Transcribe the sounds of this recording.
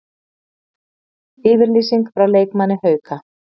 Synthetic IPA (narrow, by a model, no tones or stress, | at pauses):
ɪːvɪɾliːsiŋkfɾawleːjkmanːɪhœːɥka